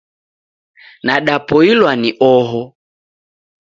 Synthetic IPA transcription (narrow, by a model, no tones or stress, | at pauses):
naɗapɔilwaniʔɔɦɔ